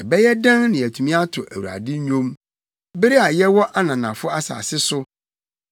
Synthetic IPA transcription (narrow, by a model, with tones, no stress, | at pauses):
ɛ˨bɛ˦jɛ˦dã˦nnɪ̃˨æ˨tʰu˨mĩ˦a˦tʰʊ˨ʔæ̰˨wu˨ɾa̰˨dɪ˦ɲᶣõ˦m | be˦ɾi˦a˨jɛ˦wɔ˦ʔa˦nã˨nã˨fʊ˦a˦sa̰ː˨sɪ˦sʊ˦